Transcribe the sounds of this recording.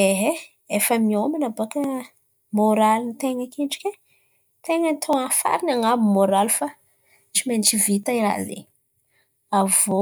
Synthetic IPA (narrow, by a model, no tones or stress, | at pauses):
eɦe | efəmiomanabakə | moɾalinit̪eŋəkeɳʈ͡ʂkʲe | t̪eŋənt̪ʰoafa̰ɾinaŋamumoɾalufa | t͡ʃimenit͡ʃivit̪aiɾa̰zḛ | avo